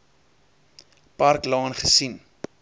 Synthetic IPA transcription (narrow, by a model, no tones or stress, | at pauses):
pɐrklɑːnχəsin